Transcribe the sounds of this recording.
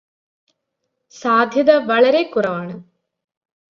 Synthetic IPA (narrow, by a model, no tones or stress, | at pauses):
saːd̪ʱjɐðɐʋɐɭɐɾekːurɐʋaːɳɨ